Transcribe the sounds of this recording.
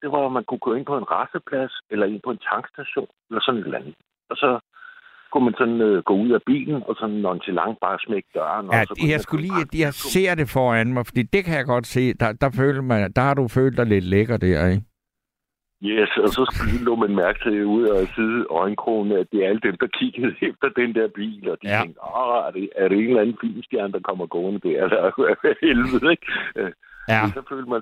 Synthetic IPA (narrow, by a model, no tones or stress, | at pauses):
d̥e̝ʋɑ̈mænkʰukʰøɐe̝n̰pʰɒ̽e̝nʁɑsəpʰlæselɐe̝n̰pʰɒ̽e̝nt͡sʰɑ̈ŋɡ̥sd̥æɕo̝̰ːnelɐsɒ̽ne̝d̥lænð̩ˠ | ɒ̽sɒ̽ | kʰumænsɒ̽nøɡ̥ɔ̰̽uð̞̰ˠæb̥ḭːln̩ɒ̽sɒ̽nːɒmænt͡sʰelɑ̈ŋ̰̥̚b̥ɑ̈ːsmeɡ̥̚d̥ɶɐnæsɒjɑ̈ɪsɡ̥ulḭːjɑse̝̰ɐ̰d̥e̝fɒːænmɑ̈ɪfɒd̥ḭːd̥e̝kʰæjɑɡ̥ɒ̽d̥se̝̰ːd̥ɑd̥ɑ̈fø̰ːld̥mɑɪd̥ɑ̈hɑ̈dufø̰ːld̥ɑ̈ɪle̝d̥leɡ̥ɐːd̥æɐ̰eɡ | jesɒ̽sɒ̽sɡ̥ulɔ̰ːmænmæɐɡ̥ət͡sʰe̝uð̰ˠɒsið̩ˠɒɪnkʰʁo̰ːn̩æd̥e̝æɐæləd̥emd̥ɑ̈kʰiɡ̥əð̩ˠefd̥ɐd̥end̥eɐb̥ḭːlɒ̽d̥i̥t͡seŋɡ̥d̥ɒæɐd̥eæɐɾee̝nlænn̩fil̰msd̥jæɐnd̥ɑ̈kʰɒ̽m̰ɐɡ̥ɔːnəd̥eɐelɐʋæɐelʋð̩ˠeɡ̥ | jæsɒfø̰ːld̥mæ